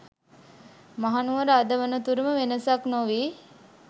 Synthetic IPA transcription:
maɦanuʋəɾəad̪əʋənət̪uɾəməʋenəsaknoʋiː

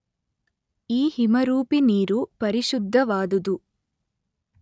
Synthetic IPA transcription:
iːhimɐɾuːpiniːɾupɐɾiʃud̪ʱːɐʋaːd̪ud̪u

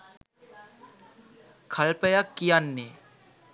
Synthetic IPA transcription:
kʰɐlpəjakːijanːe

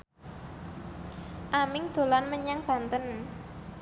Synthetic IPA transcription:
ʔamɪŋd̪̥o̤lanməɲaŋb̥ä̤nt̪ən

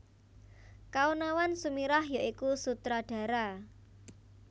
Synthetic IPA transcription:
kaunawansumiɾahjaʔikusut̪ɾaɖ̥ä̤ɾa

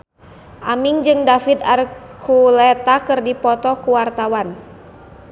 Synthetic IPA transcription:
ʔamiŋd͡ʒɨŋdafit̪arkʰulɛt̪akɨrdipɔt̪ɔkuwart̪awan

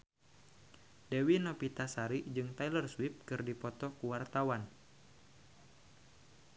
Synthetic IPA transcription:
dɛwinɔpit̪asaɾid͡ʒɨŋt̪ailərswip̚kɨrdipɔt̪ɔkuwart̪awan

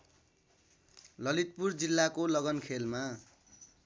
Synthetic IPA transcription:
lʌlit̪̚purd͡zilːakolʌɡʌnkʰelma

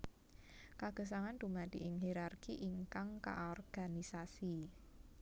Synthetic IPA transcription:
kaɡ̥ə̤s̬aŋand̥̪ṳmad̪̥iʔɪŋɦiɾarkiʔiŋkaŋka̰ʔɔrɡ̥anisasi

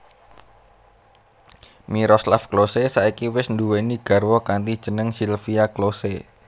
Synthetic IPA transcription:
miɾɔslafklosesaikiwɪsnd̪uweniɡ̥a̤rwɔkant̪id̥ʒ̥ə̤nəŋsilfiaklose

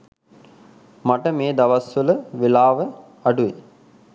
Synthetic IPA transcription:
maʈəmeːd̪aʋasʋələʋelaːʋə | aɖuʋe

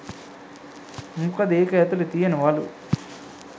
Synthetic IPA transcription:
mukɐd̪eːkɐjɐt̪ulut̪ijɐnuʋaːlṵ

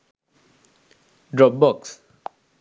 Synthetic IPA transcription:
ɖɹɔp̚bɔks

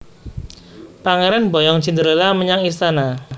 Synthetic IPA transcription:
paŋeɾanbɔjɔŋt͡ʃind̪əɾəlaməɲaŋist̪ana

